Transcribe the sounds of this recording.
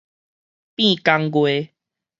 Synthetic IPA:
pĩ˥˧˨ka˧ŋɡwe˧

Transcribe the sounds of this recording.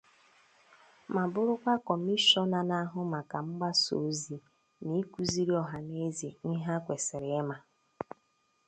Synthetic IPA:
ma˨bʊ˦ɾʊ˦kʷa˦kɔ˨m̩˦i˦ʃɔ˦na˨na˦ɦʊ˦ma˨ka˨m̩˦ɡ͡ba˦so̰˨˦zi˨ | ni˦ku˦zi˦ɾi˦ɔ˨ɦa˨ne˦zi˨ni˦ɦa˦kʷe˨sɪ˨ɾɪ˨e˦ma˨

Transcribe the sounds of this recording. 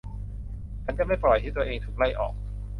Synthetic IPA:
kʰa˧˥nka˥˩a˥˩jpɾɔ˨˩jt̪ʰiː˥˩t̪u˧ɐʔeː˧ŋt̪ʰuː˨˩k̚la˥˩jʔɔ̰ː˨˩k̚

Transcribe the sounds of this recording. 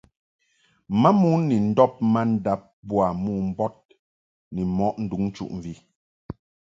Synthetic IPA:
ma˦mu˦nɛ˨n̩˦dɔ˦p̚ma˦n̩˦da˨˦p̚bwa˨muː˦˨m̩˦bɔ˦t̚ | nɛ˨mɔ˦ʔn̩˨du˨˦ŋn˦t͡ʃṵ˦ʔɱ˨vi˦

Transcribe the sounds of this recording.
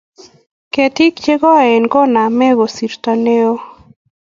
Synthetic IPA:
ke˨ti˦kt͡ʃe˦ɡɔ˦˨e˨nɡɔ˦na˨mɛ˦ɣo˨si˨ɾt̪ɔ˨ne˦o˦

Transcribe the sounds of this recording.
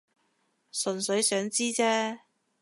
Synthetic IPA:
sɵ˨nsɵ˨˥ɥjsœː˨˥ŋt͡siː˥t͡sɛː˥

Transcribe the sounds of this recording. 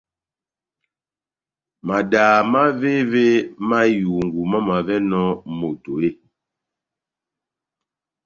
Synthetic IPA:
ma˨daː˨ma˦ve˦ve˦ma˦ju˨ŋ̩˨ɡu˨ma˦ma˨vɛ˦nɔ˦mo˨to˨e˦

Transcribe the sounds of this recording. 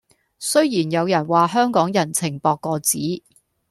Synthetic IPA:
sɵ˥ɥjiː˨˩njɐ˨˧wjɐ˨˩nwaː˨˩ɦœː˥ŋkɔː˨˥ŋjɐ˨˩nt͡sʰɪ˨˩ŋpɔː˧kːɔː˧t͡siː˨˥

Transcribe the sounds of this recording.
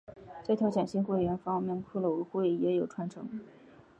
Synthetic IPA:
ʈ͡ʂɤ˥˩t̪ʰjɑ˧˥ʊt͡ɕʰjɛ˨˩nɕi˥˧ŋxwe˥˩ɪɥɛ˧˥nfɑ˥ŋmjɛ˥˩npʰu˥˩lə˨˩wu˧˥xwe˥˩ɪjɛ˧˥jo˨˩ʊʈ͡ʂʰwa˧˥nʈ͡ʂʰɤ˧˥ŋ

